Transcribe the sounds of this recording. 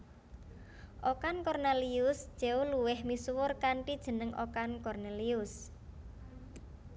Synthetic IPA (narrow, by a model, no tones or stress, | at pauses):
ʔokankɔrneliʊsʒ̥eoluwɪhmiswʊrkaɳʈid̥ʒ̥ə̤nəŋʔo̰kankɔrneliʊs